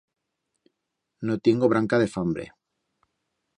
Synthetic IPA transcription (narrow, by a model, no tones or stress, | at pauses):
not̪eŋɡoβ̞ɾaŋkaðefambɾḛ